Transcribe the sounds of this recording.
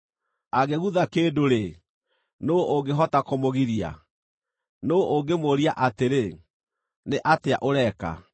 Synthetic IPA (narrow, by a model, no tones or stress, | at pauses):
aɣeɣuðakeːdoɾe | nooɡeɦɔtakomoɣiɾia̰ | nooɡemoɾiaʔateɾe | neʔateaʔoɾɛka̰